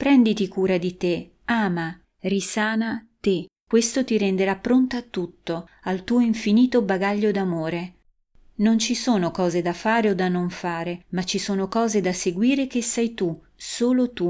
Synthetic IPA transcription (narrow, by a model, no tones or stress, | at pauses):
pɾɛnd̪it̪ikuːɾad̪it̪e | aːma | risaːnat̪ekwest̪ot̪iɾɛnd̪eɾapːɾont̪oat̪ːut̪ːoalt̪uːoiɱfiniːt̪obaɡaʎːod̪amoːɾe | nont͡ʃisoːnokɔːzed̪afaːɾeod̪anːoɱfaːɾemat͡ʃːisoːnokɔːzed̪aseɡwiːɾek̟esːɛjt̪u | soːlot̪u